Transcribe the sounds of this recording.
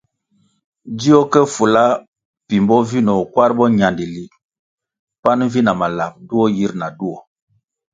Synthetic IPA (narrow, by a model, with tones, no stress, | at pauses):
di˦o˦kɛ˦fu˨la˦ | pi˨mbɔ˦vi˦nɔ˨kwa˦ɾbɔ˦ɲa˨ndi˨li˨ | pa˦n˦vi˦na˨ma˨la˨p̚du˦ɔ˦ji˦ɾna˨du˦ɔ˨